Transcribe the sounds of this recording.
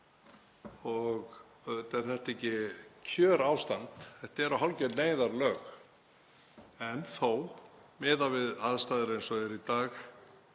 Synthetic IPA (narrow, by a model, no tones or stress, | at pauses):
ɔɣ | t̪ɛɾ̥θɛht̪ehcɪcʰœːɾaːwst̪ant̪θɛht̪ɛɾaɦawlcɛneːjðaɾlœːx | ɛnθowmɛːðavɪðaðst̪aːjðɪɾejnsɔɛɾit̪aːx